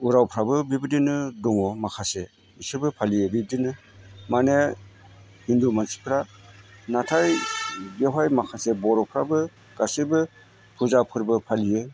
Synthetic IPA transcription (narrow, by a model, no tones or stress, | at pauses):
uɾawpʰɾabɯbibɯdinɯdɔŋɔmakʰase | isɯbɯpʰalijɯbib̚dinɯ | mane | hindumansi̥pʰɾanatʰajbeɦajmakʰasebɔɾɔpʰɾabɯ | ɡ̥asibɯ | pʰuzapʰɯɾbɯpʰalijɯ